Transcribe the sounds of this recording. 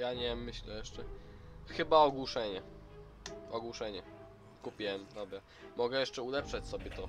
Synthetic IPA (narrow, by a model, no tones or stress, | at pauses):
jaɲɛmːɘɕlɛjɛʂt͡ʂɛxɘbaɔɡwuʂɛɲɛ | ɔɡwuʂɛɲɛ | kupʲiwɛmd̪ɔbɾa | mɔɡɛjɛʂt͡ʂɛulɛpʂɛt͡ɕsɔbʲjɛt̪ɔ